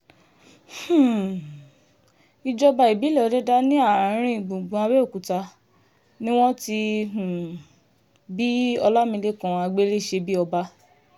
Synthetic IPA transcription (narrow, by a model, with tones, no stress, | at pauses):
h̩˨ | i˧d͡ʒɔ˧ba˧i˨bi˨˦lɔ˦˨˦dɛ˦da˦nĩ˦a˦˨ɾ̃ĩ˧˨ɡ͡bũ˨ɡ͡bũ˨˧a˧bɛ˦o˦˨ku˨ta˧ | nĩ˦w̃ɔ̃˦ti˧ũ˨ | bi˦ɔ˧la˦mĩ˧le˦˨kã˨˧a˧ɡ͡be˦le˦˨ʃe˧bi˦ɔ˧ba˦